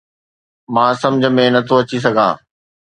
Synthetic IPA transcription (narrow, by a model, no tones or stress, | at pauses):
mãːsɐ̃md͡ʑʱə̆mẽnɐt̪ʰoɐt͡ɕis̬ɐɡʱã̰ː